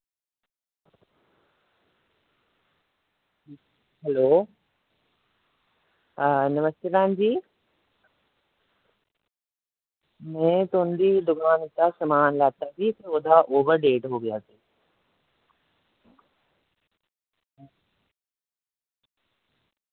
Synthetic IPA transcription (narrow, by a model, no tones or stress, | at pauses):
ʈʰiː | ɦɛloː | nɐməst̪epãːnd͡ʑiː | mẽt̪oːnd̪id̪ʊɡaːnit̪asɐmaːnlaːt̪at̪it̪ʊd̪ʱaʔoːʋəɾɖeːʈɦoːɡijaːsiː